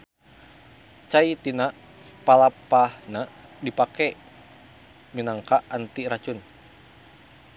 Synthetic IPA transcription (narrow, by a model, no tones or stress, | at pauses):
t͡ʃait̪ina | palapahnadipakɛ | minaŋkaʔant̪iɾat͡ʃun